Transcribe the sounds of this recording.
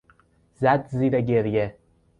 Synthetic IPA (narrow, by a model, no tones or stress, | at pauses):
zæd̪ziːɾeɟeɾje